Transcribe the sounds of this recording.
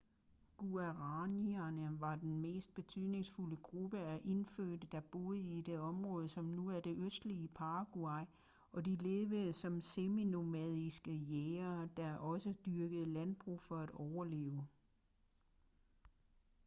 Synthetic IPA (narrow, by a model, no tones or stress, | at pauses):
ɡ̥uæʁɑniɐnəʋɑ̈d̥enme̝̰ːsd̥̚b̥e̝t͡sʰyðˠne̝ŋsfuləɡ̥ʁub̥əæʔe̝nføːd̥əd̥ɑ̈b̥o̝ːð̩ˠəid̥e̝ɒ̽mʁɔ̽ːð̞ˠsɒ̽mnuæɐd̥e̝ʔøsd̥liəpʰɑ̈ɡ̥uɑɪ | ɒ̽d̥ile̝ːʋəsɒ̽msemino̝mɛð̰ˠisɡ̥əjeːɐd̥ɑ̈ʔɒ̽səd̥yɐɡ̥əð̩ˠəlænb̥ʁṵfɒ̽æɾ̥ɒʊɐle̝̰ːʊ